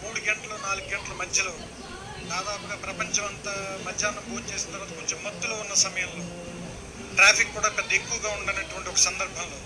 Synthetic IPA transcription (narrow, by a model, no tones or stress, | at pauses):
muːɽuɡɐɳʈɐloːnaːluɡɡɛɳʈɐlɐmɐd̪jɐloː | d̪aːd̪aːpuɡaːpɾɐpɐɲt͡ʃɐmɐnt̪ɐmɐd͡ʒd͡ʒaːnːɐboːnt͡ʃeːsint̪ɐɾʋaːt̪ɐkoɲt͡ʃemːɐt̪ːulo̞ːunːɐsɐmɐjɐmlo̞ː | ʈɾaːpʰikːuːɽaːpɛd̪ːɐekːuʋɐɡaːuɳɖanɐʈuʋɐɳʈiɔkɐ̥sɐnd̪ɐɾbʱɐmlo̞ː